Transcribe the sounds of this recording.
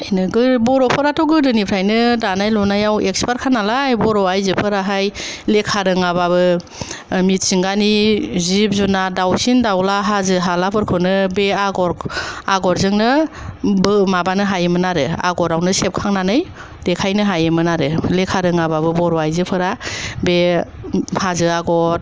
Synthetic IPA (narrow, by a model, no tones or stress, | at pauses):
ajnɯɡɯbɔɾɔpʰɯɾatɔɡɯdɯnipʰɾajnɯdanajlɔnajawekspaɾkʰanalajbɔɾɔajzɯpʰɯɾaɦajlekʰaɾɯŋaβaβɯ | mit̚siŋɡanizip̚zunadawsindawlaɦazɯɦalapʰɯɾkʰɯnɯbeaɡɔɾaɡɔɾzɯŋnɯbɯmabanɯɦajɯmɯnaɾɯa̰ɡɔɾawnɯsep̚kʰaŋnanɯj | dekʰajnɯɦajɯmɯnaɾɯlekʰaɾɯŋababɯbɔɾɔajzɯpʰɯɾabe | hazɯaɡɔt̚